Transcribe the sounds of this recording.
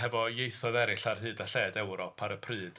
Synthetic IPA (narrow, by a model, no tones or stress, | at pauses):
ɛvɔjejθɔðɛɾɪɬarɦɨːdaɬɛːdɛwɾɔpʰaɾəpʰrɨːd̥